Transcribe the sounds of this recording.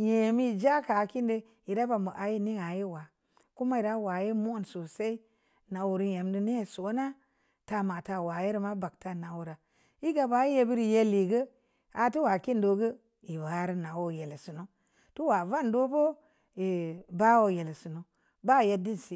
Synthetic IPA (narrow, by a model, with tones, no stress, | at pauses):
je˨mi˦˨d͡ʒa˦ka˨ki˦ndə˦ | i˨da˦ba˨mbə˨ʔa˨ji˦ni˦ŋa˨ji˦wa˨ | ku˦ma˦i˨ɾa˦wa˨ji˦mo˦nso˨se˦i˦ | na˨wu˨ɾi˦je˨mdu˦ne˦˨so˨˦na˦ | ta˨ma˨ta˨wa˨ji˦ɾi˨ma˦ba˨kta˦na˨wu˨ɾa˨ | i˦ɡa˨ba˨˦ji˦je˦bi˦ɾi˨je˦li˨ɡə˦ | a˨ti˦wa˨ki˦ndo˨˦ɡə˦ | i˨wa˨˦ɾi˦na˨wo˦je˨lsu˨no˦ | tu˦wa˨va˦˨ndo˦bo˦ | i˨ba˦wo˦je˨lsu˨no˨ | ba˦˨je˨di˦n˨si˨